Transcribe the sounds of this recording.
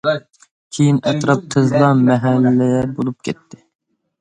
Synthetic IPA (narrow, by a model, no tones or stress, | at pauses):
kʲʰejinɛt̪ɾɑp̚t̪ʰɨzlˠɑmɛɦɛlːɛjɛbolˠup̚kʲʰɛt̪ʰːɪ